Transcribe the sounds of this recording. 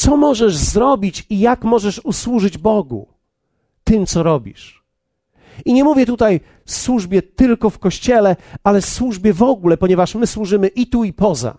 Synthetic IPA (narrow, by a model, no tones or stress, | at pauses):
t̪sɔmɔʐɛʐzɾɔbʲit͡ɕijakmɔʐɛʂuswuʐɘd͡ʑbɔɡṵ | t̪ɘmt̪sɔɾɔbʲḭʂ | iɲɛmuvʲjɛt̪ut̪aj | swuʐbʲjɛt̪ɘlkɔfkɔɕt͡ɕɛlɛalɛfswuʐbʲjɛvɔɡulɛpɔɲɛvaʂmɘswuʐɘmɘʔit̪uipɔza̰